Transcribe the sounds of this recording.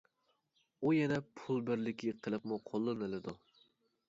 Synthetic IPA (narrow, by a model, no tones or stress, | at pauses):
ujɛnɛpʰulˠbɪɾlɪkʲʰɪqʰəlˠɨpmuqʰolˠːɨnɨlɪd̪u